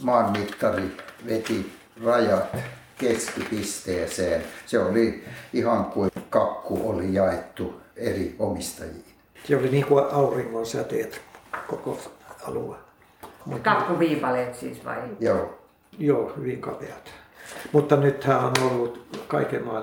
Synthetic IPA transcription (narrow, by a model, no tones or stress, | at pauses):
mɑːmːit̪ːɑriʋet̪i | rɑjɑt̪ | keskipist̪eːseːnseoliihɑŋkukɑkːuolijɑet̪ːueriomist̪ɑjiːn | seoliniːŋkuɑuriŋːonsæt̪eːt̪koko̰ɑ̰lṵe | mukɑkːuʋiːpɑlet̪sḭːsʋɑ̰ijoː | joːhyʋiŋkɑ̰peɑt̪mut̪ːɑnyt̪hæːonolːut̪kɑikemɑ̰ː